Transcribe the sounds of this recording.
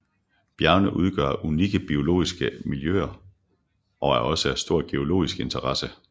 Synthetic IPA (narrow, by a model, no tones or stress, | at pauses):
b̥jæɐnəʔuðˠɡ̥ɶ̰ɐʔuniɡ̥əb̥io̝lo̝̰ːisɡ̥əmiljø̰ːɐ | ʔɒ̽æɐʔɒ̽səæsd̥o̝ɐ̰ɡ̥e̝o̝lo̝̰ːisɡ̥e̝nt͡sʰɐʁɑ̈sə